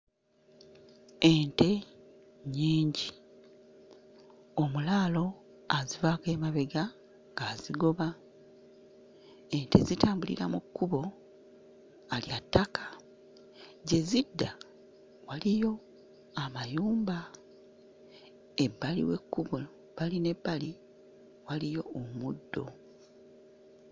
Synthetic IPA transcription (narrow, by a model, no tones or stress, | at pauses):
ente̞ | ɲiːɲɟi | o̞mulaːlo̞ | azivake̞ːmaβe̞ɡa | ŋɡaːziɡo̞βa | ente̞̰zitaːmbulḭɾamukːuβo̞ | aliatːakʰḁ | ɟe̞zidːa | walijo̞ | amajuːmba | ebːalḭwe̞̰kːuβo | βaline̞bːali | walijo̞ːmudːo̞